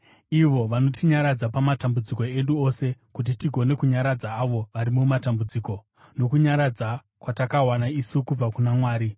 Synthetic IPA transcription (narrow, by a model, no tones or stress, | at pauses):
iʋo̞ʋano̞tiɲaɾad͡zapamatambud͡ziko̞e̞nduo̞se̞kut̬itiɡʱo̞ne̞kuɲaɾad͡zaːʋo̞ʋaɾimumatambud͡ziːko̞ | no̞kuɲaɾad͡za | kwatakawanaisukub͡vakunamwaːɾi